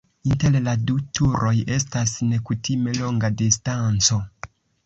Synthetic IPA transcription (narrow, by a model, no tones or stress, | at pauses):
inte̞lladutʰuɾʔo̞je̞stasne̞kutime̞lo̞ŋɡadistant͡so̞